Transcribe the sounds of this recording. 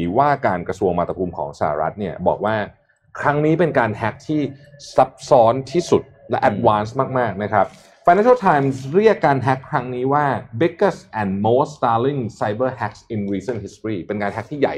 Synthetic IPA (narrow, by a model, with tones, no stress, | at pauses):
waː˥˩kaː˧nkɾa˧su˧əŋmaː˥˩t̪ʰa˧pʰuː˧mkʰɔ̰ː˩˦ŋsa˧a̰˨˩ɾa̰˦˥t̪̚ni˥˩ɐbɔ̰ː˨˩k̚waː˥˩ | kʰɾa˦˥ŋniː˦˥pe˧nkaː˧nhɛ˦˥k̚t̪ʰiː˥˩sa˦˥p̚sɔː˦˥nt̪ʰiː˥˩su˨˩t̪̚lɛ˦˥ʔɛ˦t̪̚waː˦˥nsmaː˥˩k̚maː˥˩k̚na˦˥kʰɾa˦˥p̚ | fa˧nɛ˦˥i˥˩t̪ʰaː˧jmsɾi˥˩əkːaː˧nɦɛ˦˥kʰːɾa˦˥ŋniː˦˥waː˥˩be˦˥kːə˥˩sʔɛ˨˩nmoː˦˥st̪aː˧li˥˩ŋsa˧jbɤ˥˩hɛ˦˥k̚sʔi˧nɾiː˧sə˥˩nɦi˦˥st̪ɾiː˥˩pe˧nkaː˧nɦɛ˦˥k̚t̪ʰiː˥˩ja̰˨˩j